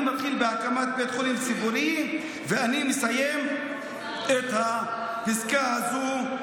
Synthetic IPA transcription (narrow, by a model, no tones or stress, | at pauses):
mat̪χilbeakamat̪̚bet̪χolimsiboɾi | veanimesajem | et̪ha | pizkahazu